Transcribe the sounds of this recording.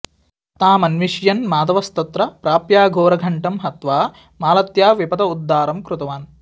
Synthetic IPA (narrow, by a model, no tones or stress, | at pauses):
t̪aːmɐnʋiʃjɐnmaːd̪ɐʋɐst̪ɐt̪ɾɐpɾaːpjaːɡʱoːɾɐɡʱɐɳʈɐmɦɐt̪ʋaː | maːlɐt̪jaːʋipɐd̪ɐud̪ːaːɾɐmkɾut̪ɐʋaːn